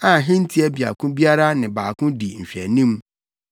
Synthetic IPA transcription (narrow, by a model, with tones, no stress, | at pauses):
ã˨ɦɪ̃˦n̩˦tʰi˦ɛ˦bi˨a̰˨kʰʊ̃˦bi˦a˦ɾa˦nɪ̃˨baː˨kʰʊ̃˦di˨n̩˨ɕᶣɛ˨nĩ˦m